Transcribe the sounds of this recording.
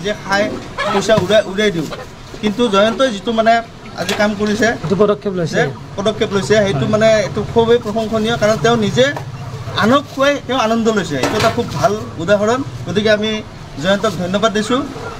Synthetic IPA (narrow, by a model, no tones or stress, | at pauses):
zɛkʰaj | pojsauɹajʔuɹajdiʊ | kintuzɔjɔntɔjzitʊmanɛ | a̰zikamkoɹisɛtupɔdɔkʰːɛplojsɛ | pɔdɔkʰːɛplojsɛɦejtʊmanɛetukʰobejpɹɔxʰɔŋkʰɔnijɔkaɹɔntɛʊ̃nizɛ | a̰nɔkːuajtɛʊ̃anɔndʱɔlojsɛetuɛtakʰubːʱaludaɦɔɹɔnɡ̥otikɛami | zɔjɔntɔk̚dʱɔjnɔbadːisʊ̃